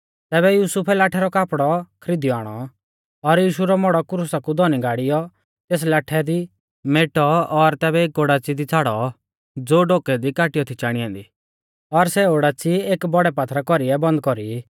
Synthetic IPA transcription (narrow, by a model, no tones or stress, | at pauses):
t̪ɛːβɛjuːsupʰɛlaːʈʰɛɾɔkaːpɽɔkʰɾid̪ijɔaːɽ̃ɔ | ɔɾjiːʃuɾɔmɔɽɔkʊɾusakud̪ɔniɡaːɽɪjɔ | t̪eːs̬laːʈʰɛd̪i | meːʈɔɔɾt̪ɛːbɛeːkoɽaːt͡sid̪it͡sʰaːɽɔ | d͡zoːɖoːkɛd̪ikaːʈɪjɔt̪ʰit͡ʃaːɽ̃iãːnd̪iː | ɔɾsɛoɽaːt͡sieːkbɔɽɛpaːt̪ʰɾakɔɾiɛbɐ̃nd̪̚kɔɾi